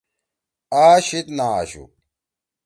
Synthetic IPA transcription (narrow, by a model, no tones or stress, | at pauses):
aːɕit̪naːa̰ɕṵ